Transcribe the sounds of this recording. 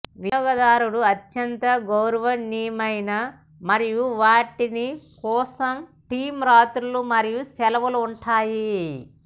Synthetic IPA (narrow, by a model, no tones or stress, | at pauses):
ʋiːɡɐd̪aːɾuɽuɐtːjɐnt̪ɐɡowɾɐʋɐniːmɐjnɐ | mɐɾijuʋaːʈinikɔːsɐmʈiːmɾaːt̪ɾulumɐɾijusɛlɐʋuluuɳʈaːji